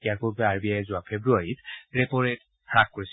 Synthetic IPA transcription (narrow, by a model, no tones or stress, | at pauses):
ijaɹpuɹbɛaɹbiaɛzʊapʰebɹuaɹitɹɛpɔɹet | hakkoɹis